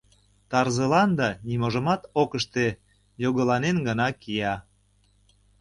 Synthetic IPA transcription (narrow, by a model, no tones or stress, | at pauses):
t̪ɑrzəlɑnd̪ɑnimoʒə̆mɑt̪okəʃt̪e | joɣəlɑnenɡənɑkijɑ